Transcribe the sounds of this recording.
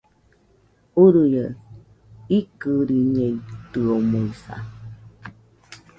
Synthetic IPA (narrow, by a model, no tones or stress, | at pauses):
uɾujə | ikɨɾiɲẽit̪ɨomoisa̰